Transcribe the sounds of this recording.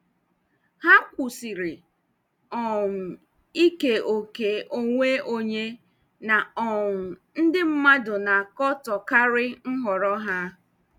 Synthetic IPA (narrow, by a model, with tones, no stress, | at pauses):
ha˦kʷu˨si˨ɾɪ˨ | ɔ˨m̩˨ | i˦ke˨o˨ke˨o˦˨ŋʷe˦o˦ɲe˦ | na˨ɔ˨ŋ̩˨n̩˦dɪ˦m̩˦ma˦dʊ˨na˨kɔ˦tɔ˨ka˦ɾɪ˦ŋ̩˦ɦɔ˨ɾɔ˦ɦa˦